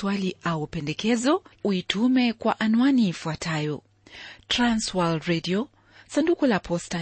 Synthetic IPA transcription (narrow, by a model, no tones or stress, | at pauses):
waliʔaupɛndɛkɛzɔuitumɛkwaʔanuaniːfuatʰajɔ | tɾanswalɾɛdiɔ | sandukulapʰɔsta